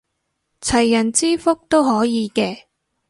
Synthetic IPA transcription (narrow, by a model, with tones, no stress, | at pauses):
t͡sʰɐ˨˩jːɐ˨˩nt͡siː˥fʊ˥k̚t̪o˥whɔː˨˥jiː˨˧kɛː˧